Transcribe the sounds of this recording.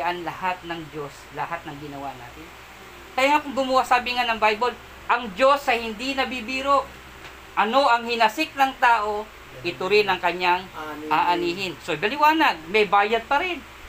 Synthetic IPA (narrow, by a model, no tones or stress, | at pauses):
ʔanlɐhat̪̚nɐŋd͡ʒo̞s | lɐhat̪̚nɐŋɡɪnɐwa̰ʔnaːt̪ɪn | kɐjaŋakʊŋɡʊmʊwasaːbɪŋanɐŋbajbol | ʔɐŋd͡ʒo̞sɐjhɪnd̪inɐbibiːɾoʔ | ʔɐno̞ʔɐŋhɪnɐsɪk̚nɐŋt̪aːʔo̞ | ʔɪt̪oɾɪnɐŋkɐɲaŋʔaːʔɐniːɦɪnsobɐlɪwaːnɐɡ̚mɐjbaːjɐd̪̚pɐɾɪn